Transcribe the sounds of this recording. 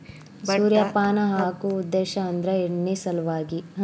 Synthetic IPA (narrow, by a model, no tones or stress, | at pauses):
suːɾjɐpaːnɐɦaːkuːd̪ːeːʃɐːnd̪ɾɐeɽɳːisɐlʋaːɡiɦ